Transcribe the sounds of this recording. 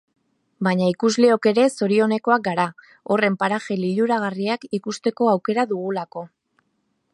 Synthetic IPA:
baɲaikuzle̞o̞ke̞ɾe̞so̞ɾio̞ne̞ko̞ak̚ɡaɾa | o̞re̞mpaɾaʝeliʎuɾaɣ̞ariakikust̪e̞ko̞awke̞ɾaðuɣ̞ulako̞

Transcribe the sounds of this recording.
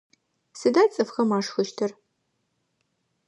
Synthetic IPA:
sɨdaːt͡sʼɨfxɐmaːʂxɨʃtʰɨr

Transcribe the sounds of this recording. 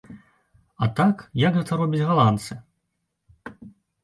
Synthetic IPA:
ɐt̪akjɐkɣɛt̪ɐɾɔbʲid͡zʲɣalˠant̪sɨ

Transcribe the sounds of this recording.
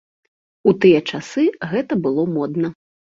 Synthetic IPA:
ut̪ɨjɐt͡ʂasɨɣɛt̪ɐbɨlˠɔmɔd̪nɐ

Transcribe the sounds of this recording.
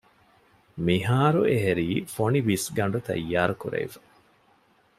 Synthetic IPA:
miɦaːɾueɦeɾiːfonibisɡɐɳɖut̪ɐ̰jːaːɾukuɾḛifɐ̥

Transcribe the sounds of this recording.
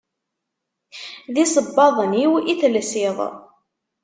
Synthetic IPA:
ðisˤəbːɑðˤəniwiθlsɪðˤ

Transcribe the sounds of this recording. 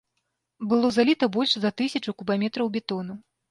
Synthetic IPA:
bɨlˠɔzalʲit̪ɐbɔlʲʂzɐt̪ɨsʲɐt͡ʂukubamʲɛt̪ɾɐwbʲɛt̪ɔnu

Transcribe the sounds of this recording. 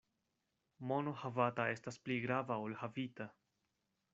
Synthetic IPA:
mo̞nohavatae̞staspliɡɾavaolhavita

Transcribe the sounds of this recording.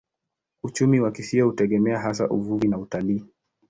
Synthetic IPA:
ut͡ʃumiwakisiɔhutɛɠɛmɛaɦas̬a̰ʔuvuvinautaliː

